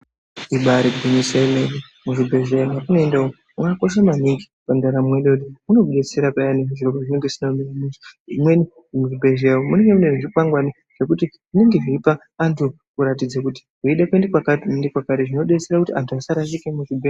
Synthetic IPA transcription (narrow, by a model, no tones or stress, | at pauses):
iɓaɾebʱeniseleni | muʐibʱe̞ʒeonakunoendao | ukako̞ʃ̬amaniŋɡi | pandaɾamweɗekutimuno̞ɓe̞t͡se̞ɾapajaneʐiʐirokoʐine̞ŋɡesinaminimiziimweni | muʐibʱe̞ʒewomune̞ŋɡe̞muneneʐikwaŋɡwani | ʐ̥e̞kutiʐ̥ine̞ŋɡe̞ʐiipaː | ntʰu | kuɾat̬id͡zakuti̥kuiɗekwendekwakatendekwakatiʐino̞ɗe̞seɾakutiʔantʰuasaɾasikemuʐibʱe